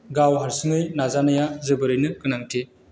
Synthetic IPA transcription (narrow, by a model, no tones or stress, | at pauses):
ɡawɦaɾsɯŋɯjnazanajazɯbɯɾɯjnɯkɯnaŋtʰi